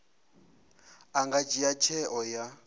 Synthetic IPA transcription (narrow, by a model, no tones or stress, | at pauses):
aŋɡad͡ʒijat͡ʃʰɛʔɔja